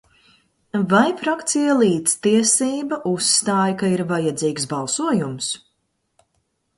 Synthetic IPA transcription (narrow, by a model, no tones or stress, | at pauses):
vajfɾakt̪sijalˠiːt̪st̪iɛsiːbaʔusːt̪aːjkaiɾvajad̪ziːksbalˠsuɔjums